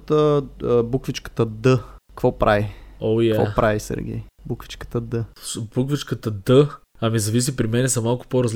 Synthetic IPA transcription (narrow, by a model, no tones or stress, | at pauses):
t̪əbukvit͡ʃkə̥t̪əd̪əkvɔpɾʔaviojkavɔ̰pɾʔavisɛ̰ɾɡʲɛ̰j | bukvi̥t͡ʃkə̥t̪əd̪əsbukvit͡ʃkət̪əd̪ə | ɐmizɐvis̬ipɾimɛnɛsɐmalˠkʊ̥poɾɐzl